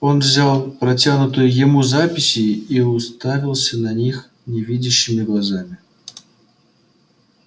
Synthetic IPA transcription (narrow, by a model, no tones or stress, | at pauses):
onvzʲalˠpɾɐtʲanʊt̪ɨjʊjɪmuzapʲɪsʲiiʊst̪avʲɪlˠsʲənanʲix | nʲevʲidʲɪɕːɪmʲɪɡlˠazamʲɪ